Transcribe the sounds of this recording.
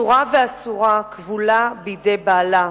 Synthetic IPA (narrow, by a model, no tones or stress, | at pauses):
uʁaveasuʁakvulabijidejbaːla